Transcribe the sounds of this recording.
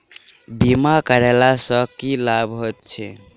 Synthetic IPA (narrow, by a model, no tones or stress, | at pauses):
bimakəɾɛlasəkilabɦojt̪̚t͡ʃʰɛ